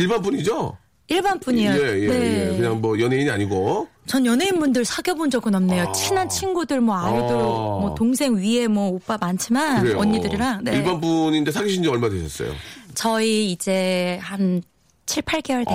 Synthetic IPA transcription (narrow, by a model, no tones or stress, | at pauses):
iɭbanp͈uɲid͡ʑo | iɭbanp͈uɲijoejene̞kɯɲaŋmʌjʌnɦeiɲiaɲiɡot͡ɕʌnjʌnɦeinbundɯɭsʰaɡjʌbond͡ʑʌɡɯnʌmne̞jot͡ɕʰinant͡ɕʰinɡudɯɭmwʌajidoɾokmwʌtoŋsʰe̞ŋɥie̞mwʌop͈amant͡ɕʰimanɯɾeʌɲːidɯɾiɾaŋneiɭbanpuɲind͡ʑesʰaɡiɕʰind͡ʑiʌɭmadweɕʰʌs͈ʌ̰jo̰t͡ɕʌiːd͡ʑe̞han | t͡ɕʰiɭpʰaɭɡe̞wʌɭde